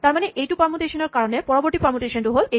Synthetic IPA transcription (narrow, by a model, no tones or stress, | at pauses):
t̪aɾmaneʔejʈupɔɾmoʈeʃoneɾkaɾonepɔɾoboɾʈ̪ipɔmoʈeʃanʈuɦole